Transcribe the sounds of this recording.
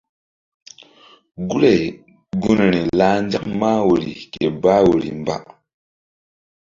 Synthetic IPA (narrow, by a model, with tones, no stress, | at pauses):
ɡu˦ɾe˨ | ɡu˦n˨ni˨la˦n˦d͡ʒa˦k̚ma˦wo˨ɾḭ˨ke˨ba˦wo˨ɾḭ˨mba̰˦˨ʔ